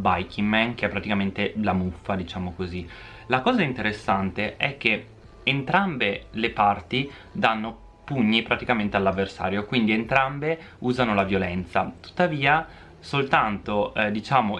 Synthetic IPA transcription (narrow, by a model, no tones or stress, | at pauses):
bajkʰiŋmɛnk̟eɛpːɾat̪ikament̪elamufːad̪it͡ʃaːmokozi | lakɔːzaint̪eɾesːant̪eʔɛk̟ːe | ent̪ɾambelepart̪i | d̪anːo | puɲːipɾat̪ikament̪ealːavːersa̰ːɾjokwind̪ient̪ɾambe | uːzanolavjolɛnt̪sat̪u̥t̪ːaviːa | solt̪ant̪od̪it͡ʃaːmo